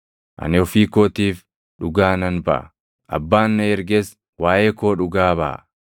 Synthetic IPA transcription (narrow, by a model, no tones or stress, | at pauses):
ʔɐ̰nɪɔfiːkoːt̪iːf | ᶑʊɡaːnɐnbɐ̰ʔɐ̰ | ʔɐ̰bːaːnːɐɛɾɡes | waːʔeːkoːᶑʊɡaːbɐ̰ʔ